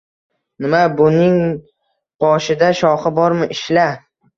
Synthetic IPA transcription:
nɪmabʊnɪŋ | b̥ɒʃɪd̪aʃɒχɪbɒɾmɪʔɪʃla

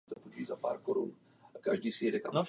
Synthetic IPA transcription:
t̪opoʒizapa̰ːɾkoɾṵn | kaʒdiːsɪjɛdɛkana

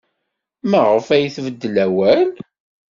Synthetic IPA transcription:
mæʁəfæjθvəd̪ːəlæwæn

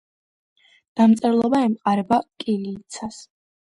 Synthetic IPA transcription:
d̪̥amt̪sʼɛɾlˠɔbaɛmqʼaɾɛbakʼiliːt̪sʰas

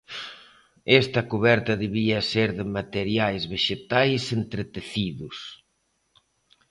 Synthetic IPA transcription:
ɛst̪ɐkuβɛɾt̪ɐðeβiɐseɾðɪmat̪eɾjajzβeʃet̪ajsent̪ɾet̪eθiðʊs

